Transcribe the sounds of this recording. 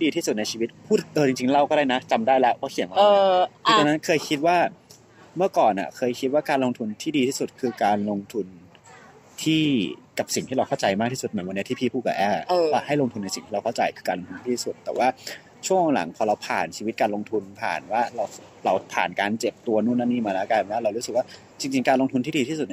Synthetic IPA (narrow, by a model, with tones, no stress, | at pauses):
diː˧t̪ʰiː˥˩su˨˩t̪̚na˧jt͡ɕʰiː˧wi˦˥t̪̚pʰuː˥˩t̪̚ʔɤː˧˩t͡ɕi˧ŋt͡ɕi˧ŋɾa˧wkɔː˥˩ɾaː˥˩jna˦˥t͡ɕa˧mdaː˥˩jlɛ˦˥ʔkɔː˥˩kʰi˨˩˦ŋwa˧˨˩ɤː˧kʰi˧t̪a˧na˦˥nkʰɤː˧jkʰi˦˥t̪̚waː˥˩ | mɯ˥˩ɐkɔː˨˩nʔa̰˨˩kʰɤː˧jkʰi˦˥t̪̚waː˥˩kaː˧nlo˧ŋt̪ʰu˧nt̪ʰiː˥diː˧t̪ʰiː˥˩su˨˩t̪̚kʰɯː˧kaː˧nlo˧ŋt̪ʰu˧n | t̪ʰiː˥˩ka˨˩p̚si˨˩ŋt̪ʰiː˥˩a˧wkʰa˥˩wt͡ɕa˧jmaː˥˩k̚t̪ʰiː˥˩u˨˩t̪̚m˩˦wa˧ni˦˥t̪ʰiː˥˩pʰiː˥˩pʰuː˥˩ka̰˨˩ʔɛː˧˩˧a˥˩ha˥˩jlo˧ŋt̪ʰnːa˧jsi˨˩ŋt̪ʰiː˥˧ɾa˧wkʰa˥˩wt͡ɕa˧jkʰɯː˧kaː˧nlo˧ŋt̪ʰu˧mʰa˥˩t̪ʰiː˥˩su˨˩t̪ːɛː˨˩waː˥˩ | t͡ɕʰu˥˩əŋ˨˩ŋla̰˩˦ŋpʰɔː˧ɾa˧wpʰa̰ː˨˩nt͡ɕʰi˧wi˦˥t̪̚kaː˧lo˧ŋt̪ʰu˧npʰa̰ː˨˩nwaː˥˩ɾa˧w | ɾa˧wpʰa̰ː˨˩nkaː˧nt͡ɕe˨˩p̚t̪u˧ɐnuː˥˩nːa˦˥niː˥˩maː˧lɛ˦˥ka˧˨˩waː˥˩ɾa˧wɾu˦˥sɯ˨˩k̚waː˥˩ | t͡ɕi˧ŋt͡ɕi˧ŋkaː˧lo˧ŋt̪ʰu˧nt̪ʰiː˥˩i˧i˥˩su˨˩